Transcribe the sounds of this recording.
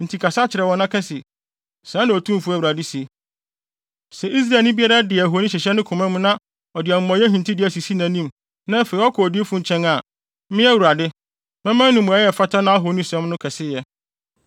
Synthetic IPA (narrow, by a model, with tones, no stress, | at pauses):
n̩˨tʰi˨kʰa˨sa˦t͡ɕʰɪ˨ɾɛ˨wɔ̃˨nã˦kʰɛ˦sɪ˨ | sã˦nã˨ɔ˨tʰũ˦m˨fu˦æ˨wu˨ɾa˨dɪ˦si˨˦ | sɛ˨ʔi˦s̬ɾa˨lnĩ˦bi˦a˦ɾa˦dɪ˨ɦo˨˦nĩ˦ɕ̬ɛ˨ɕɛ˦nʊ̃˦kʰʊ̃˨mɛ̃˦mʊ̃˦nã˦ | ɔ˨dɪ˨ɛ˨m̩˨mɔ̃˨jɛ˦ɦĩ˨n˨tʰi˦dɪ˨˦æ˦si˨si˦nã˨˦nĩ˦m | nã˦fe˨i˨˦ɔ˦kʰɔ˨di˦e˦fʊ̃˦ɲ˨t͡ɕʰɛ̃˦ŋa˨˦ | mɪ̃˦æ˦wu˨ɾa˨dɪ˦ | mɛ̃˦mã˦n˦nʊ̃˨mʊ̃˨a˨˦jɛ˨fa˦tʰa˦nã˦a˦ɦo˨˦nĩ˦sɛ̃˦m˦nʊ̃˦kʰɛ˨sɪ˦jɛ˦